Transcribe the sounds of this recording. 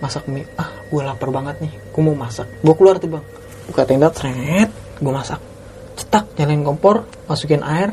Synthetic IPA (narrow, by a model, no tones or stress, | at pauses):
masak̚miahɡ̥ualapərbaŋət̪̚nɪh | ɡ̥umomasak̚ɡuakəluart̪ubaŋ | bukat̪ɛŋndat̪rɛt̪̚ | ɡuamasak̚ | t͡ʃə̥t̪ak̚ɲalankɔmpɔr | masukɪnʔaɪr